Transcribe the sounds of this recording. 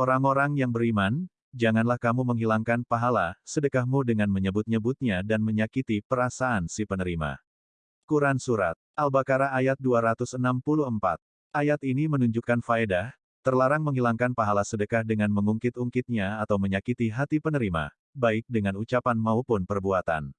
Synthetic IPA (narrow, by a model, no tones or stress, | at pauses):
oɾaŋoɾaŋjaŋbəɾiman | d͡ʒaŋanlahkamuməŋɦilaŋkanpaɦalasədəkahmudəŋanməɲəbʊt̪̚ɲəbʊt̪̚ɲadanməɲakit̪ipəɾasaansipənəɾima̰ | kuɾansuɾa̰t̪̚ʔalbakaɾaːjat̪̚duaɾat̪ʊsənampuluhəmpa̰t̪̚ | ʔajat̪inimənuɲd͡ʒukːanfaedah | t̪ərlaɾaŋməŋɦilaŋkanpaɦalasədəkahdəŋanməŋuŋkɪt̪uŋkɪt̪̚ɲaːt̪awməɲakit̪iɦat̪ipənəɾima̰ | baɪk̚dəŋanut͡ʃapanmaupʊnpərbuat̪a̰n